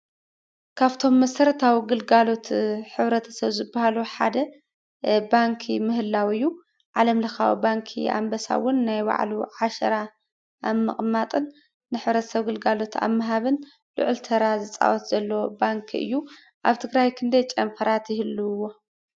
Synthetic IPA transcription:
kʰaβt̪ʰo̞mːɐsɐɾɐt̪ʰawiɡɨlɡalo̞t̪ʰħɨβɾɐt̪ʰɐ̥sɐβzɨbːahaluħa̰d̪ɐ | baŋkʰimɨɦɨlːawɨjːu | ʕalɐmlɐxa̰w̰baŋkʰḭa̰mbɐsa̰wʊnːajwa̰ʕluʕaʃɐ̰ɾa | ʔamːɨχʼmat̪ʼɨnː | ɨħɨβɾɐt̪ʰɐ̥sɐβɡɨlɡalo̞t̪ʰa̰mːɐɦaβɨn | lʊ̰ʕɨlt̪ʰɐɾazɨt͡sʼa̰wɔt̪z̥ɐlːɐwobaŋkʰɨ̰jːu | ʔaβt̪ʰɨɡɾajkʰɨnd̪ɐjt͡ʃʼɐmfʰɐɾat̪jɪhɨlːɨwo̞

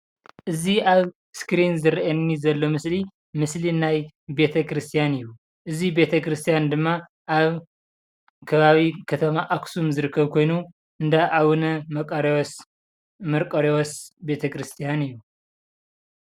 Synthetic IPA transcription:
ʔɨziaβ | skɨɾinzɨɾɐʔɐnnːizɐlːo̞mɨsli | mɨslinaj | be̞t̪ʰɐkʰɾɨst̪ʰijanɨjːu | ʔɨzibe̞t̪ʰɐkɾɨst̪ʰijand̪ɨmːa | ʔaβ | kʰɐβaβikʰɐt̪ʰɐmaʔaksumzɨɾɨkʰːɐβkʰo̞jnu | ʔɨnd̪aʔaβunɐmɐɾ | mɐɾkʼɐɾewɔsbe̞t̪ʰɐkɾɨst̪ʰijanɨjːu

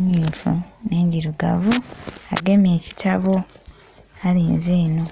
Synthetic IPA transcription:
ɲiːɱfṵne̞ːɲɟiɾuɡa̰vua̰ɡe̞meːci̥tʰaβo | aliːnzeːno̞

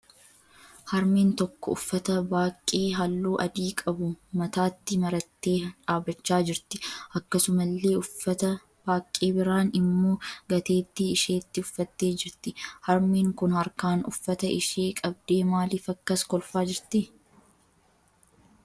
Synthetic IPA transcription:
hɐɾmeːnt̪ɔkːɔʊfːɐt̪ɐbaːkʼːe̞ːɦɐlːuːʔɐd̪iːkʼɐbʊmɐt̪aːt̪ːɪmɐɾɐt̪ːeːᶑaːbɐt͡ʃːaːd͡ʒɪɾt̪ɪʔɐkːɐsʊmɐlːe̞ːʊɐt̪ɐ | b̥aːkʼːe̞ːbɪɾaːnɪmːoːɡɐt̪e̞ːt̪ːɪːʃe̞ːt̪ːɪʊfːɐt̪ːe̞ːd͡ʒɪɾt̪ɪhɐɾmiːŋkʊnhɐɾkaːnʊ̰fːɐt̪ɐɪʃe̞ːkʼɐb̚d̪e̞ːmaːlɪːfɐkːɐskɔlfaːd͡ʒɪɾt̪ɪ

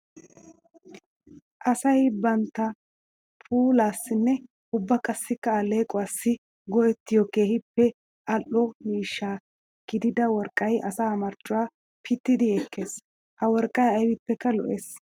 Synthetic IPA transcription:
ʔɐsɐjbɐnt̪ːɐ | pʰʼuːlaːsːɪnːɛ | ʊbːɐkʼɐsːɪkːɐːle̞ːkʼʊwaːsːɪ | ɡɔjɛt̪ːɪjɔke̞ːhɪpːɛ | ɐlːɔmiːʃːaː | ɡ̥ɪd̪ɪd̪ɐwɔɾkʼɐjʔɐsaːmɐɾt͡ʃʼːʊwaː | pʰɪt̪ːɪd̪ɪɛkːeːs | hɐwɔɾkʼːɐjɐjwɪpːɛkːɐlɔ̰ʔeːs

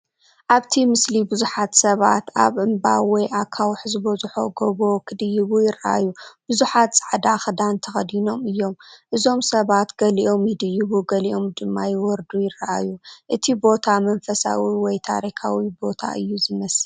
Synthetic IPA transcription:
ʔaβt̪ʰimɨslibɨzuħat̪sɐβa̰t̪aβʔɨmbawɔjʔakʰawħzɨbɐzuħo̞̰ɡoβo̞kʰɨd̪ɨjɨβujɪrːa̰ʔa̰jub̥ɨzuħat̪t͡sʼaʕd̪axɐd̪ant̪ʰɐxɐd̪ino̞mɨjːo̞mʔɨzo̞msɐβat̪ɡɐliʔo̞mjɪd̪ɨjːɪβuɡɐliʔo̞md̪ɨmːajwɔɾd̪ujɪrɐʔa̰juʔɨt̪ʰibo̞t̪ʰamɐnfɐsa̰wiwɔjt̪ʰa̰ɾikʰa̰wibo̞t̪ʰa̰ʔɨjːuzɨmɐs

